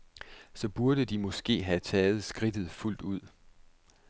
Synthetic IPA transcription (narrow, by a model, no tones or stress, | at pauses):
sɒ̽b̥uɐd̥əd̥imɒ̽sɡ̥e̝̰ːɦæt͡sʰɛːð̞̩ˠsɡ̥ʁid̥ð̞̩ˠful̰d̥uð̞̰ˠ